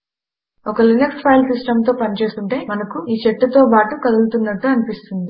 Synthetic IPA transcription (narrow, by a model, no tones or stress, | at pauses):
ɔkɐlineksʈpʰɐjlsisʈɐmt̪o̞ːpɐnit͡ʃe̞ːst̪uɳʈe̞ːmɐnɐkuiːt͡ʃeʈːɐt̪o̞ːpaːʈukɐluɡut̪unːɐʈːuɐnipist̪und̪i